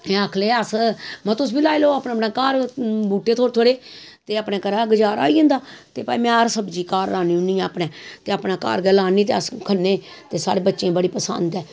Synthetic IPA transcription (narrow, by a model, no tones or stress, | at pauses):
əkʰleːəsmɛ̃ːt̪ʊsbiːlaːeloːaːpnaːpnãːkaːɾbuːʈːeːt̪ʰoːɾt̪ʰoːɽeːt̪eːəpnɛ̃ːkəɾaːɡəd͡ʒaːɾa̰ːiːə̃nd̪aːt̪eːpaːimɛ̃ːəɾsəbd͡ʒiːkaːɾaːniːũnĩɛ̃ːəpnɛ̃ːt̪eːəpnaːka̰ːɾɡəlaːnĩːt̪̬eːəskʰənːẽː | t̪eːsa̰ːɽeːbətːʃẽːbəɽiːpəsə̰nd̪ɛː